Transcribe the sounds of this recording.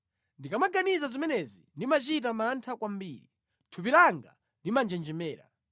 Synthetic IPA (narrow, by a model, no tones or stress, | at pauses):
ndikamaɡanizazimɛnɛzindimat͡ʃitamantʰakwambiːɾi | tʰupiɾaŋɡa̰ | ndimand͡ʒɛnd͡ʒɛmɛːɾa̰